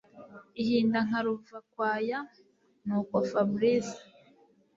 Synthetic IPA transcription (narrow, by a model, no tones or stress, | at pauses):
ihiːndaŋ̥aɾuvakwaːja | nuːkofabɾizḁ